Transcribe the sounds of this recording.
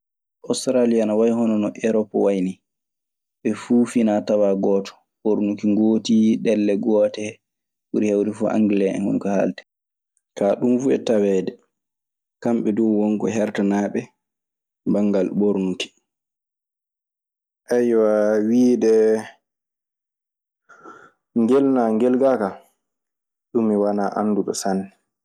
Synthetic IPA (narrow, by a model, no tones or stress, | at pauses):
ʔɔstɾalijanawajhɔnɔnɔʔɛɾɔpːɔwajni | ɓɛfuːfinatawaɡɔtɔ̥ | ɓoɾnukiŋɡoːtiɗɛlːɛɡɔtɛ | uɾihawɾifɔʔa̰ŋɡilɛɛ̰nhṵmkaha̰ltɛ̥ | kaɗumfuɛ̰tawɛdɛ | kamɓɛdɔwwɔŋkɔ̰ɦɛɾtanaɓɛ | baŋɡalɓoɾnuki̥ | ʔajwawiːdɛ | ŋɡɛlnaŋɡɛlɡaka | ɗumːiwanaʔanːduɗɔ̰sanːi